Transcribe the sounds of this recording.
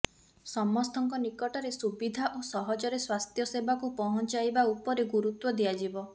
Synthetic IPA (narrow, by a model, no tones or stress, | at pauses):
sɔmːɔst̪ʰɔŋkɔnikɔʈɔɾesubid̪ʱaʔosɔɦɔd͡ʒɔɾeswast̪ʰjɔsebakupɔɦɔnt͡ʃajbaupɔɾeɡuɾut̪wɔd̪iad͡ʒibɔ